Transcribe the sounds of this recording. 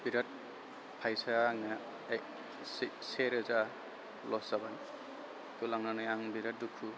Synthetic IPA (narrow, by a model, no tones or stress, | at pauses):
biɾat̚ | pʰajsaŋa | sseɾɯza | lɔz̥aban | tulaŋnanajaŋbiɾat̚dukʰu